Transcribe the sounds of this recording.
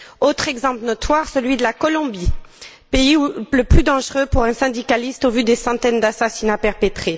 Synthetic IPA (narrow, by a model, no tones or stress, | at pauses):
ot̪χɛɡzɑ̃plənɔt̪waʁsəlɥid̪əlakɔlɔ̃bi | peiuləplyd̪ɑ̃ʒʁøpuʁɛ̃sɛ̃d̪ikalist̪ovyd̪esɑ̃t̪ɛnd̪asasinapɛʁpet̪χe